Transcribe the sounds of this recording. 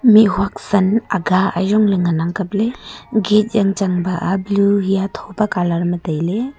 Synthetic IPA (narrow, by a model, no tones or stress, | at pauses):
miɦwak̚sənaɡaa̰jzɔŋlɯŋanaŋkap̚leɡet̚zaŋt͡ʃaŋbaʔabluɦijatʰɔbakalaɾmətajle